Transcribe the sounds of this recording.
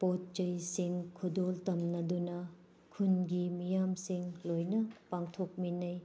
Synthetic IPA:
pot̚t͡ʃɐjsiŋkʰudoltɐmnɐdunɐ | kʰunɡimijamsiŋlojnɐpaŋtʰok̚minɐj

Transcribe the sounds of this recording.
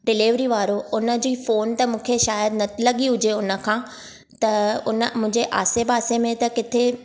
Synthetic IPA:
ɖɪliːʋɾiʋaːɾoʊnə̆d͡ʑiːfoːnt̪ɐmũːkʰeʃaːjəd̪nɐt̪ʰilɐɠiɦʊd͡ʑeʊnə̆kʰãː | t̪ɐʊnə̆mʊ̃ɦɪ̃ɲd͡ʑeʔa̰ːsebaːsemẽt̪ɐkɪt̪ʰe

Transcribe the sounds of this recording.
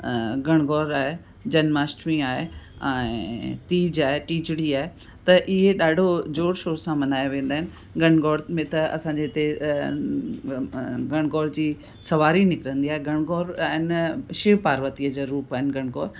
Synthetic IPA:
ɡɐɽ̃ɡɔːɾaːɦe | d͡ʑɐnmaːsʈʋĩaːɦeɛ̃ːt̪iːd͡ʑaːɦeʈiːd͡ʑɽiaːɦe | t̪ɐʔɪɦeɗaːɖʱod͡ʑoːɽʃoːɾsãmɐnaːjoʋẽːn̆d̪aːɪnɪ̆ | ɡɐɽ̃ɡɔːɾmẽt̪ɐɐ̰sãːɲd͡ʑeɪt̪e | ɡɐɽ̃ɡɔːɽd͡ʑiː | sɐʋaːɾinɪkɪɾə̃nd̪iaːɦeɡɐɽ̃ɡɔːɾaːɦɪnʃɪʋpaːɾʋət̪iəd͡ʑoɾuːpaːɦɪnɡɐɽ̃ɡɔːɾ

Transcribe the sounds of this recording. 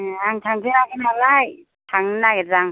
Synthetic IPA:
aŋtʰaŋzɯnaɡɯnalaj | tʰaŋnaɡezaŋ

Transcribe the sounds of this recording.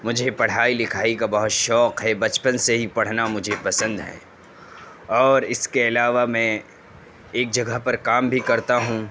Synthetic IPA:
mʊd͡ʒʱepɐɽ̤aːilɪkʰaːikabɐɦʊt̪ʃɔːqɦɛbɐt͡ʃpənseɦipɐɽ̤namʊd͡ʒʱepɐsə̃nd̪ɦɛ̰̃ː | ɔːɾɪskeɐlaːʋamɛ̃ː | eːk̚d͡ʒɐɡəɦpɐɾkaːmbʱikɐɾt̪aɦũː

